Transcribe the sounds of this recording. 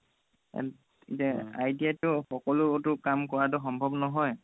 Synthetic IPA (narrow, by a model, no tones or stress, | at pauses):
itaajdiatʊxɔkɔlʊotʊkamkɔɹatɔxɔmbʱɔbnɔɦɔj